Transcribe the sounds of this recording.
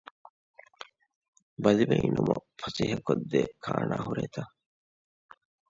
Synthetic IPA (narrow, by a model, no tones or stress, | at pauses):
bɐlibeinumɐfɐsiːɦɐkod̪ːekʰaːnaːhuɾeːt̪a